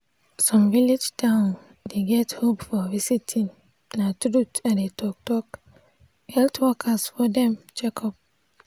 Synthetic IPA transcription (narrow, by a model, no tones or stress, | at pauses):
sɔ̃mvilid͡ʒtãʊ̃n | deɡɛthopfɔvisitʰĩnː | atɹutãndetʰɔk̚tɔk | hɛltʰwɔkʰasfɔdɛ̃md͡ʒɛkʰɔp̚